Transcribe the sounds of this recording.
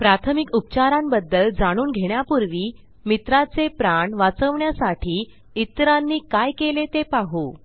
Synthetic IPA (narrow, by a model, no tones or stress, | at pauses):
pɾat̪ʰəmikup̚t͡ɕaɾãmbəd̪ːəld͡zaɽ̃uːnɡʱeɽjapuɾʋiː | mit̪ɾat͡sepɾaɳʋat͡səʋɳjasaʈʰiː | it̪ɾanːiːkajkelet̪epaɦu